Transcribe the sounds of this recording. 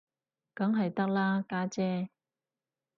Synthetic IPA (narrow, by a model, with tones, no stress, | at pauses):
kɐ˨˥ŋɦɐ˨jt̪ɐ˥k̚laː˥kaː˥t͡sɛː˥